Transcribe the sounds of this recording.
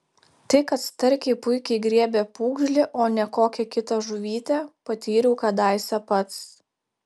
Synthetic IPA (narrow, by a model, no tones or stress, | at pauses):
t̪ɐɪkɐt̪st̪ɐɾʲkʲɛɪpʊɪkʲɛɪɡɾʲiɛbʲeːpuːɡʒʲlʲɪʔoːnʲɛkoːkʲɛkʲɪt̪ɐʒʊʋʲiːt̪ʲepɐt̪ʲiːɾʲuʊkɐd̪ɑˑɪsʲɛpɐt̪s